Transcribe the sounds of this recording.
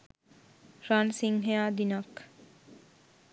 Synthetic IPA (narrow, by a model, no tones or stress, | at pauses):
ɾansiŋɦeaːd̪inak